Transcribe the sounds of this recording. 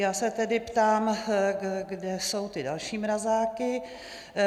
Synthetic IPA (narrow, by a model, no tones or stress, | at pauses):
jaːsɛt̪ɛdɪpt̪aːm | ɡdɛso̞wt̪ɪda̰lʃiːmɾazaːkɪ